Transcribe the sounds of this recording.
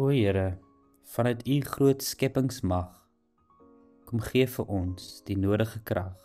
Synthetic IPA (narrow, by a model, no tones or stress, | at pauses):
uəəɾə | fɐnətʰiχruətskɛpəŋsmɐχ | kɔmχiəfəɾʔɔnsd̥inuədəχəkrɐχ